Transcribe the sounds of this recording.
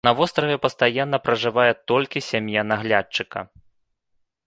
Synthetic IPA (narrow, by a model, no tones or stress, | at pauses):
nɐvɔst̪ɾɐvʲɛpɐst̪ajanːɐpɾɐʐɨvajɛt̪ɔlʲkʲisʲamjanaɣlʲat͡ʂːɨkɐ̰